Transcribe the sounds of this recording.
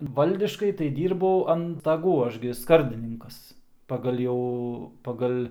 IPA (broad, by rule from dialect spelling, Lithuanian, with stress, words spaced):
ˈʋɐlʲdʲɪʃkɐɪ tɐɪ ˈdʲiːrbɐʊ ɐn stɐˈɡuː ˈɐʃ ɡʲɪ ˈskɐrʲdʲɪnʲɪŋkɐs pɐˈɡɐlʲ jɛʊ pɐˈɡɐlʲ